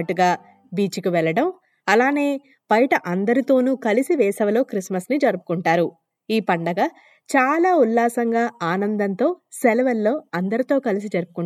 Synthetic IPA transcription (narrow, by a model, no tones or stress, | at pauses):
ʈːuɡaː | biːt͡ʃikiʋɛɭːɐɽɐm | ɐlaːne̞ː | b̥ɐjʈɐʔɐnd̪ɐɾit̪o̞ːnuːkɐlisiʋɛːsɐʋɐlo̞ːkɾismɐsnid͡ʒɐɾupu̥kuɳʈaːɾu | iːpɐɳɖɐɡɐ | t͡ʃaːlaːulːaːsɐŋɡaːaːnɐnd̪ɐnt̪o̞ːsɛlʋɐlːo̞ːɐnd̪ɐɾit̪o̞ːkɐlis̬id͡ʒɐɾupukuɳ